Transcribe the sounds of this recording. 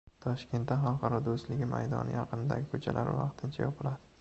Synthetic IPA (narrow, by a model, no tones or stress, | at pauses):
t̪ʰɒʃkʲʰe̞nt̪ːaχɒlˠqɑɾɒd̪ost̪lɪɡʲɪma̰jd̪ɒ̰nɪjɑqɨnɪd̪a̰ɡʲɪkʰot͡ʃʰa̰lʔa̰ɾvɑ̰qt̪ʰɪnt͡ʃʰajɒpʰɪlad̪ɪ